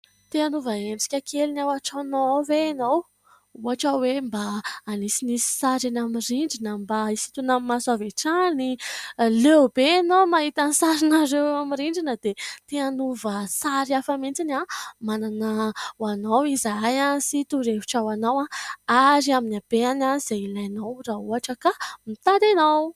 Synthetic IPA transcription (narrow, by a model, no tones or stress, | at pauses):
t̪eanuvəenɖ͡ʐi̥kʲəkʰelinawaʈ͡ʂanoaveːnow | uaʈ͡ʂawembaːnisinisi̥saɾanamiriɳɖ͡ʐinəmbaisi̥t̪unamimasaveʈ͡ʂanilewbenomaɦit̪anisaɾinaɾewewamiɾiɳɖ͡ʐinəd̪̥et̪eanuvəsaɾiafament͡sinamananəwanawizaajansit̪uɾevi̥ʈ͡ʂawanawãaɾiaminab̥eananz̥eilajnawrauɦaʈ͡ʂəkamit̪aɾajnow